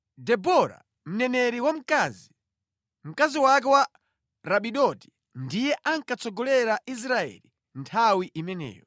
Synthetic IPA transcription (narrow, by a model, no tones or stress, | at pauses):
dɛbɔɾa̰ | m̩nɛnɛɾiwam̩kaːzi | m̩kaziwak̬ɛwa | ɾaɓiɗɔti̥ | ndijɛʔaŋkat͡sɔɡɔlɛɾais̬ɾaɛ̰li | ntʰawiʔimɛnɛ̰ːjɔ